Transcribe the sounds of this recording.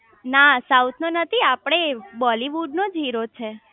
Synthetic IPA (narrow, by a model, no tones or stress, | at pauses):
nasawt̪ʰnonət̪ʰiapɽ̃ebɔliʋuɖnod͡ʒʱiɾot͡ʃʰe